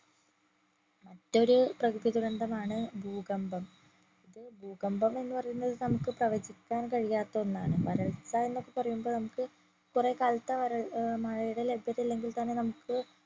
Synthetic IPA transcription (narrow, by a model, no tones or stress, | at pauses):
mɐtːo̞ɾuprɐkɨðiðuɾɐnd̪ɐmaːɳɨbʱuːɣɐmbɐm | iðɨbʱuːɣɐmbɐme̞nːɨpɐrɐjunːɐðɨnɐmukːɨprɐʋɐd͡ʑikʲːaːnkɐɻijaːt̪ːɐonːaːɳɨʋɐɾɐɭsɐe̞nːo̞kːe̞pɐrɐjumboːnɐmukːɨ | kurekaːlt̪ːɐʋɐɾɐɭmɐɻɐjuɽe̞le̞bʱjɐt̪ːilːe̞ŋɡilt̪ɐnːe̞nɐmukːɨ